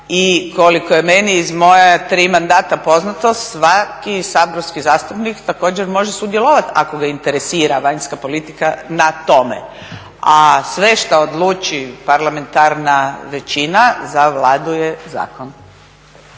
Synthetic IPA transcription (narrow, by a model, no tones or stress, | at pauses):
iko̞likoje̞me̞niːzmo̞jat̪ɾiːmand̪aːt̪apo̞znat̪osʋakisabɾofskizaːst̪upnikt̪ako̞ːd͡ʑeɾmo̞ʒesud̪jelˠo̞ʋat̪ako̞ɡaint̪eɾesiːɾaʋaɲskapo̞lit̪ikanat̪o̞mḛ | asʋe̞ʃt̪aod̪lˠuːt͡ʃipaɾlame̞nt̪aɾnaʋe̞t͡ɕinazaʋlaːd̪uje̞za̰ːkon